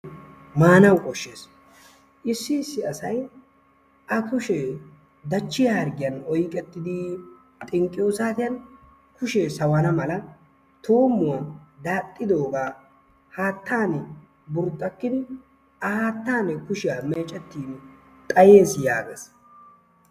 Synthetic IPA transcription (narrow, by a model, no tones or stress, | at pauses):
maːnɐwkʼɔʃːe̞ːs | ʔɪsːɪːsːɪɐsɐj | ʔɐkʊʃe | d̪ɐt͡ʃːɪjɐhɐɾɡɪjɐnɔjkʼːɛt̪ːɪd̪ɪ | t̪ʼɪŋkʼːɪjo̞ːsaːt̪ɪjɐn | kʊʃesɐwɐnɐmɐlɐ | t̪ʰo̞ːmːʊwad̪aːt̪ʼːɪd̪o̞ːɡaː | haːt̪ːaːnɛ | bʊɾt̪ʼːɐkːɪd̪ɪ | ɐhaːt̪ːaːnɛkʊʃɪjameːt͡ʃʼːɛt̪ːiːn | t̪ʼɐje̞ːsjaːɡḛːs